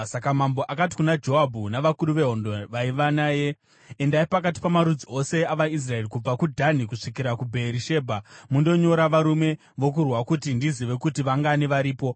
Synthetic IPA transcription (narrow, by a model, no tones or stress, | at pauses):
sakamambo̞ʔakat̬i̥kunad͡ʒo̞ɦabʱunaʋakuɾuʋe̞ɦo̞ndoʋaiʋanaːje̞ː | ndaipakat̬i̥pamaɾud͡zio̞se̞aʋais̬rae̞rikub͡vakudʱanikuʂikiɾakubʱe̞ɾiʃe̞ːbʱamundo̞ɲo̞ɾaʋaɾume̞ | ʋo̞k̬urwakutindiziʋe̞kutiʋaŋɡaniʋaɾiːpo̞